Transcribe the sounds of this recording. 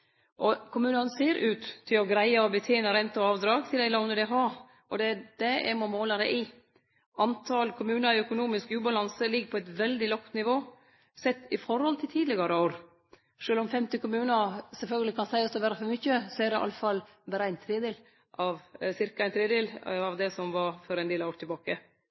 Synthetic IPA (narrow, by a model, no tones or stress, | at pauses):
ʔɔkʰʊmʉːnɑnəseːɾʔʉːt̪t̪ʰːɪlɔɡɾæɪəɔbət̪ʰeːnəɾɛnt̪ɑɑːʋd̪ɾɑːɡsɪd̪ɪlɑʊnəd̪ɛɦɑː | ʔɔd̪ɛd̪̥ɛæ̰ɡmɔmoːlɑd̪ɛ̰ʔɪ | ʔɑnt̪ʰɑlkʰʊmʉːnəɾɪœkʊnuːmɪskʉːbɑlɑnsəlɪɡpʰɔɛt̪ʋɛld̪ɪlɔkt̪nɪʋoː | sɛt̪ːɪfɔɾhɔlt̪ʰɪlt̪ʰiːd̪lɪɡɑɾəoːɾ | ʂøːlɔmfɛmt̪ɪkʊmʉːnəɾsɛlfœlɡəlɪkʰɑnsæɪɑst̪ɔbæːɾəfɔmʏçːəsɔæd̪ɛʔɑ̰lːəfɑl | bæːɾəæɪnt̪ʰɾeːd̪eːl | ʔɑʋsɪɾkɑæɪnt̪ʰɾeːd̪eːlɑʋd̪ɛsɔmʋɑɾfɔɾæɪnd̪eːlɑʋoːɾʈ̪ʰɪlbɑːkə